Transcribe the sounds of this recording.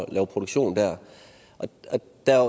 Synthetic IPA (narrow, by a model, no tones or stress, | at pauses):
lɛ̰ːʊpʰʁo̝ɾoɡ̥ɕo̝̰ːn̩d̥æɐ | ʔɒɒ | d̥æ